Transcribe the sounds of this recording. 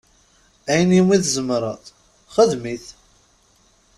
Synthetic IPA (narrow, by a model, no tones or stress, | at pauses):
æjənjimiθzəmɾˤɑt̪ | χəðmiθ